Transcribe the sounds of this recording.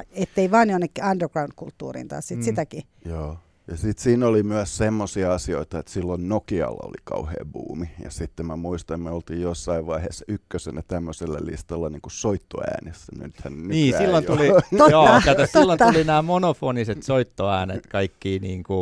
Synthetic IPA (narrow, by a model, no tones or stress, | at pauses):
et̪ːeiʋɑːnjonːekːiɑnderɡrɑunkult̪ːṵːrḭːnt̪ɑ̰ːssit̪sit̪æki | joː | jɑsit̪siːnolimyæssemːosiɑɑsioit̪ɑet̪silːonnokiɑ̰lːɑ̰o̰likɑ̰uhḛːbṵːmijɑ̰sit̪ːemmæmuist̪ɑmeolt̪iːjjosːɑiʋʋɑiheːsːɑykːøsenæt̪æmːøselːælḭst̪ɑlːɑniːŋkusoit̪ːo̰æ̰ːnesːænyt̪hænnniːsilːonuliojoːkːɑæssilːonulinæːmonofoniset̪soit̪ːoæːnet̪kɑikːiːniːŋku